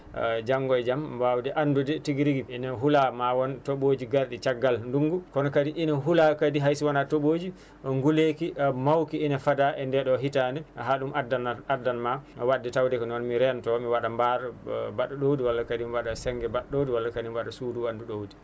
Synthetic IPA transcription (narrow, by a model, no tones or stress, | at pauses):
d͡ʒaŋɡɔɛd͡ʒambawdɛʔanːdudɛtiɡiɾiɡiinaɦulamawɔntoɓod͡ʒiɡaɾɗit͡ʃaɡːalnduŋɡukɔnɔkadiʔinaɦulakadiɦajsiwanatoɓod͡ʒi | ŋɡulekimawkiːnafadaʔɛndɛɗɔɦitaniɦaɗumadːanadːanmawadːɛtawdɛkɔnɔnmiɾɛntɔmiwaɗambaɾbaɗuɗowdiwalːakadimiwaɗasɛŋɡɛbaɗɗowdiwalːakadimwaɗasuːduwanduɗowdi